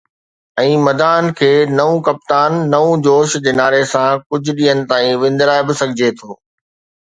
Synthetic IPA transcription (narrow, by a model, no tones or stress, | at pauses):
ɛ̃ːmɐd̪aːnkʰeːnɐʋũkɐp̚t̪aːnːɐũd͡ʑoːʃd͡ʑeːnaːɾesãkʊd͡ʑʱʊɗiːənɪ̆t̪aːĩʋɪ̃n̆d̪ɾaːebɪsɐɡʱɪd͡ʑet̪ʰoː